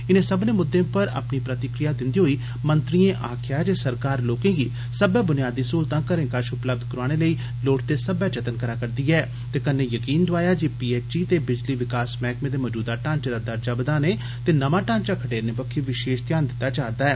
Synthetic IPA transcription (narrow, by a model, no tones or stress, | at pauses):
ɪnẽːsəbneːmʊd̪ːẽːpəɾa̰ːpniːpɾət̪ɪkɾɪjaːd̪ɪnd̪iːɦoːiː | mənt̪ɾiːẽːʔaːkʰɪjaːɛːd͡ʒeːsəɾkaːɾloːkẽːɡḭː | səbɛːbʊnijaːd̪iːsuːlt̪ãːkəɾẽːkaʃʊpləb̚d̪kəɾaːɽ̃eːləiː | loːʈ̚t̪eːsəbɛːt͡ʃət̪ənkəɾaːkəɾd̪iːɛː | t̪eːkənːẽːjəkiːnd̪ʊaːjaːd͡ʒiːpiːeːt͡ʃiːt̪eːbɪd͡ʒliːʋɪkaːsmɛːkmẽːd̪eːmɔːd͡ʒuːd̪aːʈãːnt͡ʃːd̪aːd̪əɾd͡ʒaːbəd̪aːneː | t̪eːnəmãːʈãːnt͡ʃaːkʰəʈeːɾneːbəkʰːiːʋɪʃeːʃt̪jaːnd̪ɪt̪ːaːt͡ʃaːɾd̪aːɛː